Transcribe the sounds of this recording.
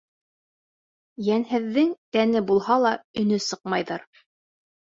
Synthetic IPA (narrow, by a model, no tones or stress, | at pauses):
jænhɘ̆ðːɘŋt̪ænɘbulˠhɑlˠɑɵ̆nɵsɤqmɑjðɤɾ